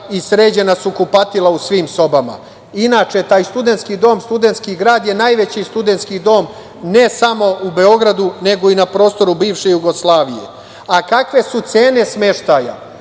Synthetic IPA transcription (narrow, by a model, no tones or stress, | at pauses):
isɾe̞ːd͡ʑe̞nasukupat̪ilˠausʋiːmso̞bama̰ | inaːt͡ʃe̞t̪aːjst̪ud̪e̞nt̪skid̪o̞ːmst̪ud̪e̞nt̪skiɡɾaːd̪je̞naːjʋe̞t͡ɕist̪ud̪e̞nt̪skid̪o̞ːm | ne̞samo̞ube̞o̞ɡɾad̪une̞ɡo̞inapɾo̞ːst̪o̞ɾubiːʋʃe̞juɡoslˠaːʋije̞̰ | akakʋe̞sut̪se̞ːnesme̞ʃt̪aja̰